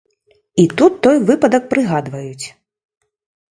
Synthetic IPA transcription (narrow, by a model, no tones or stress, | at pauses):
it̪ut̪ːɔjvɨpɐd̪ɐk̚pɾɨɣad̪vɐjut͡sʲ